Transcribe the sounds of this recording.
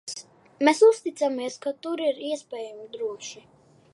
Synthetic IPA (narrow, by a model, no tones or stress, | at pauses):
mɛsust̪it̪samiɛskat̪uɾiɾiɛspʲɛːjamid̪ɾuɔʃi